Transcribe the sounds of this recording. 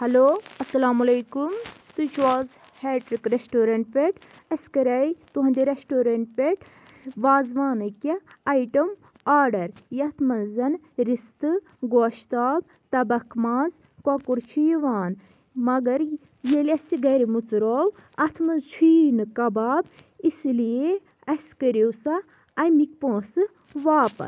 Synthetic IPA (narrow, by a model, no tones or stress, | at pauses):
hɐloːɐsɐlaːmulejkumt̪uit͡ʃʋaːz | heːʈɾikɾesʈoːɾɐɳʈfʲeʈ | ɐskɐɾɐjt̪uɦɐnd̪iɾesʈoːɾɐɳʈfeʈ | ʋaːzʋaːnɨkeɐjʈɐm | aːɾɖɐɾjɐt̪ʰmɐnzɐn | ɾist̪ɨ | ɡoːʃt̪aːb | t̪ɐbɐkʰmaːz | kwakuɾt͡ʃʰijiʋaːn | mɐɡɐɾ | jelʲɐsiɡɐɾimut͡sɾoːwɐt̪ʰmɐnzt͡sʰiːnɨkɐbaːbislije | ɐskɐɾewsɐ | ɐmik̚ʲpõːsɨ | ʋaːpɐ̰s